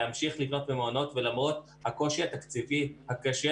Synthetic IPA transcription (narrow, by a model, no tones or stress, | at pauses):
amʃiχlivno̞t̪bemono̞t̪velamʁo̞t̪ | hako̞ʃihat̪akt͡sivihakaʃe